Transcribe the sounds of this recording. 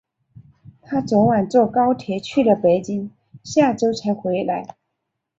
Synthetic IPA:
t̪ʰa˥t͡sɔ˧˥wa˨˩nt͡swɔ˥˩kɑ˥ʊt̪ʰjɛ˧˥t͡ɕʰy˥˩lə˩pe˧˩ɪt͡ɕi˥n | ɕja˥˩ʈ͡ʂo˥ʊt͡sʰa˧˥ɪxwe˧˥ɪla˧˥ɪ

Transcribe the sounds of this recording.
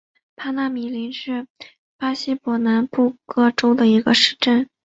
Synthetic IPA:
pʰa˥na˧˥˩mi˨˩li˧˥nʂɻ̩˥˩ | pa˥ɕi˥pwɔ˨˥na˧˥npu˥˩kɤ˥ʈ͡ʂo˥ʊd̪ə˨i˧˥ɡə̰˧ʂɻ̩˥˧ʈ͡ʂə˥˩n

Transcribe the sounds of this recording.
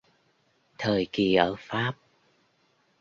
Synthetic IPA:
t̪ʰəː˨˩jki˨˩ʔəː˧˩faː˦˥p̚

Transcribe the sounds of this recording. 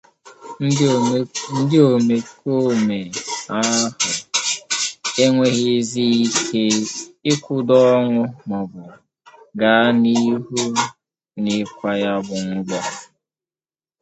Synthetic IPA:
n̩˦dɪ˦o˨me˨ko˦me˨a˦hʊ˨ | e˦ŋʷe˦ɣi˦zi˦i˦kʰe˦ɪ˦kʷʊ˦dɔ˦ŋʊ˦mɔ˨bʊ˨ | ɡa˨a˦ni˦ɦu˦ | nɪ˦˨kʷa˨ja˦bʊ˨ŋ̩˦ɡ͡bɔ˦

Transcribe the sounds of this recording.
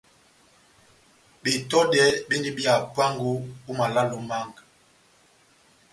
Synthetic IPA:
be˨tɔ˦dɛ˨˦be˦ndi˦bi˦a˨pwa˦ŋɡu˦u˦ma˨la˦lo˨ma˦˨ŋɡ

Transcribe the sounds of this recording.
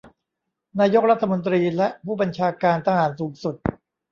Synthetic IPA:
naː˧jo˦˥k̚ɾa˥t̪ʰːa˧mo˧nt̪̬ɾiː˧lɛ˦˥ʔpʰuː˥˩ba˧nt͡ɕʰaː˧kaː˧nt̪ʰaː˧haː˨˩˦nsuː˩˦ŋsu˨˩t̪̚

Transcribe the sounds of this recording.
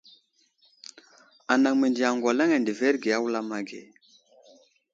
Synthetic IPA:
a˨na˨ŋme˨ndi˨a˨ŋɡwa˨la˦ŋe˨ndi˨ve˦ɾɡe˨a˦wu˦la˦ma˨ɡḛ˨

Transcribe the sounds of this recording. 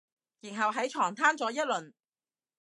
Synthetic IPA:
jiː˨˩nɦɐ˨wɦɐ˨˥jt͡ʃʰɔː˨˩ŋt̪ʰaː˥nt͡sɔː˨˥jɐ˥t̚lɵ˨˩n

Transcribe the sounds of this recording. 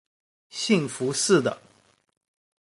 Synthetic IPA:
ɕi˥˩ŋfu˧˥ʂɻ̩˥˩d̪ə̰˩

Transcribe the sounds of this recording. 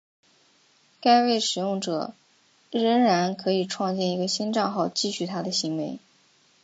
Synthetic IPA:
ka˥ɪwe˥˩ɪʂɻ̩˨˩jʊ˥˩ŋʈ͡ʂɤ̰˨˩ | ɻə˧˥ŋɻa˧˥nkʰɤ˧˥i˨˩ʈ͡ʂʰwɑ˥˧ŋt͡ɕɛ˥˩ni˧˥ɡə˧ɕi˥nʈ͡ʂɑ˥˧xɑ˥˧ʊt͡ɕi˥˧ɕy˥˩t̪ʰa˥d̪ə˨ɕi˧˥ŋwe˧˥ɪ

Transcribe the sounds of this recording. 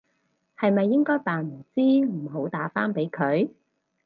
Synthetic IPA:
hɐ˨jmɐ˨jːɪ˥ŋkɔː˥jpaː˨nm̩˨˩t͡siː˥m̩˨˩ho˨˥wt̪aː˨˥faː˥npe˨˥jkʰɵ˨˧ɥ

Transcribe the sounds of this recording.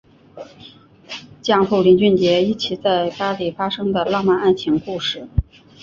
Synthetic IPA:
t͡ɕjɑ˥˧ŋfu˥˩li˧˥nt͡ɕy˥˩nt͡ɕjɛ˧˥i˥˩t͡ɕʰi˧˥t͡sa˥˩ɪpa˥li˨˩fa˥ʂɤ˥ŋd̪ə˨lɑ˥˧ŋma˥˧na˥˩nt͡ɕʰi˧˥ŋku˥˧ʂɻ̩˥˩

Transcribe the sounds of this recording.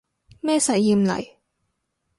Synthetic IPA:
mɛː˥sɐ˨˩jːiː˧˩m̩˨lɐ̰˨˩j

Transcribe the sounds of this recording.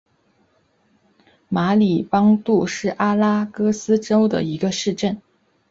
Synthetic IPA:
ma˧˥li˨˩pɑ˥ŋt̪u˥˧ʂɻ̩˥˩ʔa˥la˥kɤ˥sɹ̩˥ʈ͡ʂo˥ʊd̪ə̰˨i˧˥ɡə˧ʂɻ̩˥˧ʈ͡ʂə˥˩n

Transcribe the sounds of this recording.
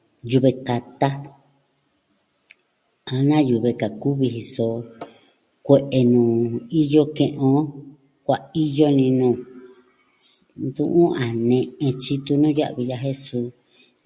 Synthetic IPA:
ju˧βe˧ka˨t̪a˦ | a˧nã˦ju˨βe˧ka˨ku˦βi˧ɦi˧so˧˨ | kʷe˧ʔe˧nũː˨i˦jo˦kẽ˧ʔõ˧˦ | kʷa˧i˦jo˦nĩ˧nũː˧˨ | nd̪ṵ̃˧ʔũ˦ʔã˨nẽ˧ẽ˧t͡ʃi˦t̪u˧nũ˦ja̰˦ʔβi˧ja˧ɦe˦su˧˦

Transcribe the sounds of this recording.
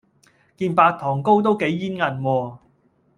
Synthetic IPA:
kiː˧npaː˧k̚t̪ʰɔː˨˩ŋko˥wt̪̬o˥wke˨˥jːiː˥nŋɐ˨˩nwɔː˧

